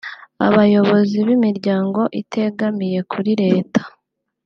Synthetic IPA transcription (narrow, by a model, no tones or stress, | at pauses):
a̰βajo̞βo̞ziβimiɾɟaːŋɡo̞ʔitʰe̞ɡamije̞kʰuɾiɾe̞ːtʰḁ